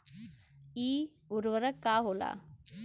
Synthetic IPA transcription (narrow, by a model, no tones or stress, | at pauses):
iː | uɾʋəɾəkːaːɦola̰ː